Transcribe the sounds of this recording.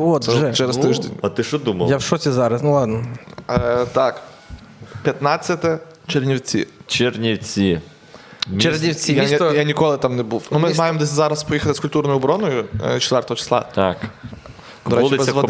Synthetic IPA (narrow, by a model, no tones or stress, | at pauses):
oʒɛt͡ʃɛɾɪst̪ɪʒd̪ḛnʲɐt̪ɪʃɔd̪umɐ̰lˠjawʃɔtʲizɑɾɐsnʊlˠɑd̪nɔ | t̪ɑk | pʲjɐt̪nɑt͡sʲːɐt̪ɛ | t͡ʃernʲiwt͡sʲḭt͡ʃernʲiwt͡sʲi | nʲernʲiwt͡sʲijajanʲikɔlˠɪt̪ɑmnɛbuwnʊmɪmɑjemd̪ɛs̬ʲzɑɾɐspɔjixɐt̪ɪskʊlʲt̪urnɔjʊɔbɾɔnɔjʊ̰t͡ʃɛt̪ʋʲɛrt̪ɔɦɔt͡ʃɪ̥slˠa̰ak | d̪ɔɾɛudt͡ʃ̪ɪbɛzʲsʋɔd̪